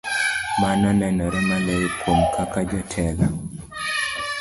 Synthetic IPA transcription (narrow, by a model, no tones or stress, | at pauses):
mananɛnɔɾɛmalɛkwomkʰakad͡ʒɔtʰɛla